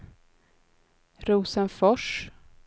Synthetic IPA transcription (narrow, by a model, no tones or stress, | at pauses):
ɾuːsənfɔʂ